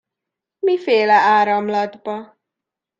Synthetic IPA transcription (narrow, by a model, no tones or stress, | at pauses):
mifeːlɛaːɾɒmlɒd̪bɒ